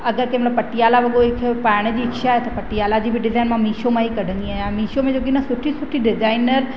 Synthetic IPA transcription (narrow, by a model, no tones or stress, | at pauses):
ɐɡəɾkemɛt̪ləbpɐʈijaːlaʋɐɡoekʰpaːɽ̃əd͡ʑiːkʃaɦɛt̪opɐʈijaːlad͡ʑiːbʱiɖɪzaːinmãmiːʃomãɦikɐɖʱə̃ŋɡiaːɦjãmiːʃomẽd͡ʒoːkinɐsʊʈʰisʊʈʰːiɖɪd͡ʒaːɪnəɾ